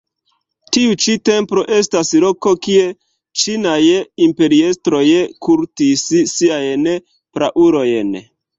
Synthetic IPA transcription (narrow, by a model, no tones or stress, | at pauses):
tiut͡ʃite̞mpɾo̞ʔe̞staslo̞ko̞kie̞ | t͡ʃinajimpe̞ɾie̞stɾo̞jkuɾtisisiajn | pɾaʔuɾo̞jen